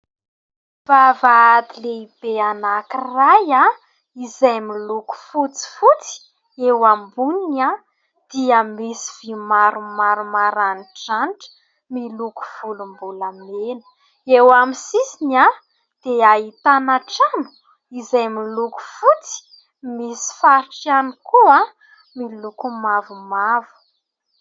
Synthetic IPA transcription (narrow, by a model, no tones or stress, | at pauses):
v̥avaad̪ileib̥eanakiraja | izajmiluku̥fut͡si̥fut͡si̥ | ewambunina | d̪̥iamesi̥v̥imaɾumaɾumaɾaniʈ͡ʂanʈ͡ʂə̥ | miluku̥v̥ulumbulamenə̥ | ewamisisina | d̪̥eait̪anaʈ͡ʂanu̥ | izajmiluku̥fut͡si̥ | misi̥faɾʈ͡ʂianikua | milukumavumavu̥